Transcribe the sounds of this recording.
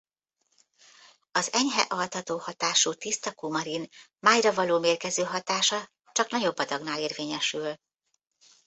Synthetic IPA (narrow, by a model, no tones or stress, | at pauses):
ɒzɛɲɦɛ̰ʔɒlt̪ɒt̪oːhɒt̪aːʃuːt̪ist̪ɒkumɒɾin | maːjrɒvɒloːmeːrkɛzøːɦɒt̪aːʃɒ | t͡ʃɒknɒɟo̞bːɒd̪ɒɡnaːleːrveːɲɛʃyl